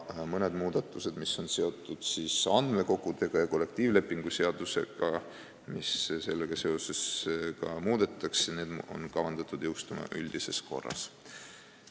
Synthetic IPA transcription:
mɤne̞d̪muːd̪̥ɑt̪ːˑuse̞d̪misːo̞nse̞o̞t̪ːˑud̪̥siːsɑnd̪̥me̞ko̞ɡut̪e̞ɡ̥ɑjɑko̞lːek̚t̪iːvle̞pːˑiŋɡ̥use̞ɑd̪̥use̞̰ɡ̥ɑ | misse̞lːeɡ̥ɑse̞o̞se̞skɑmuːd̪̥e̞t̪ːˑɑksɑne̞ːd̪̥o̰nkɑvɑnd̪̥ɑt̪ːˑud̪̥jwst̪umɑ̰ʔylʲd̪̥ise̞sko̞̰rːɑ̰s

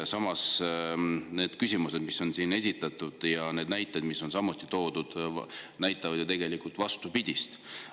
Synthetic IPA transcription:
sɑmɑs | ne̞ːd̪̥kysʲimuse̞d̪̥miso̞nsiːne̞sʲit̪ːˑɑt̪ːud̪̥jɑne̞ːd̪næjt̪ːˑed̪̥miso̞nsɑmut̪ːˑit̪o̞ːd̪̥ud̪̥næjt̪ːˑɑvɑd̪̥jut̪e̞ɡelikult̪vɑst̪upid̪̥ʲist̪

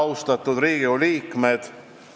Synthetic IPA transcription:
wst̪ɑt̪ːˑud̪ɾiːɡioliːkme̞d̪̥

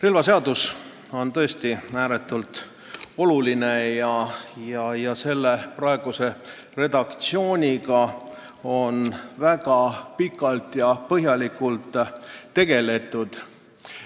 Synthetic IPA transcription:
relvɑse̞ɑd̪̥us | o̞nt̪ɤ̞est̪iæːɾe̞t̪ːˑult̪ | o̞luline̞jɑjɑjɑse̞lːe̞prɑe̞ɡ̥use̞ | re̞d̪ɑkt̪sio̞ːnʲikɑ | o̞nvæɡɑpikːˑɑlt̪jɑpɤɦjɑlikult̪ːe̞ɡ̥e̞le̞t̪ːˑud̪̥

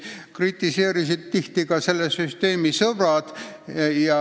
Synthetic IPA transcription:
krit̪ːˑise̞ːɾisid̪̚t̪iht̪iɡ̥ɑse̞lːesyst̪e̞ːmisɤb̥rɑd̪̥jɑ

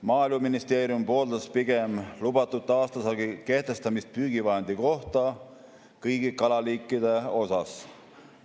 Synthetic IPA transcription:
mɑːilmuminist̪e̞ːɾjumpo̞ːld̪ɑspiɡ̥e̞mlubɑt̪ːˑut̪ːˑɑːst̪ɑsɑɡike̞ht̪e̞st̪ɑmist̪̚pyːɡ̥ivɑɦend̪̥iko̞ht̪ɑ | kɤjɡ̥ikɑlɑliːkːˑid̪e̞o̞sɑs

